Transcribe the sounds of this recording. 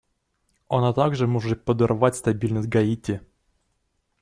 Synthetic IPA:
ɐnat̪aɡʐɨmɔʐɨt̪̚pəd̪ɨrvatʲst̪ɐbʲilʲnəsʲt̚ʲɡɐitʲɪ

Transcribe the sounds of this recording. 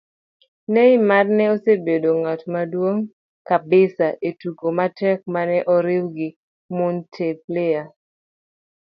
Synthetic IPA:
nɛɪmadnɛosebedoŋatmadwoŋ | kabɪsaʔetukomatɛk̚manɛʔɔɾɪwɡɪ | mʊntʰep̚lea

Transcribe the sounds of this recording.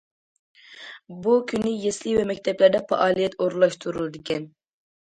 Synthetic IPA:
bukʲʰynɪjeslivɛmɛkʲt̪ʰɛplæɾd̪ɛpɑ̰ʔɑːlˠijɛt̪ʰoɾulˠɑʃt̪ʰuɾulˠɨd̪ɪkʲʰɛn

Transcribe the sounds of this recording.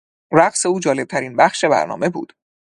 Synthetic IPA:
ɾæɢse̞uːd͡ʒɒːle̞b̚t̪ʰæɾiːnbæxʃe̞bæ̰ɾnɒ̰ːme̞bṵːd̪̥

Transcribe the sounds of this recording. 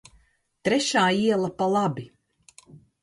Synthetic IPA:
t̪ɾɛʃaːiɛlˠapalˠabi

